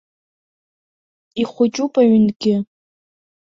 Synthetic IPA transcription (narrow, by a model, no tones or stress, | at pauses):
iχʷʊt͡ʃʼupʼaɥʏnɡʲɪ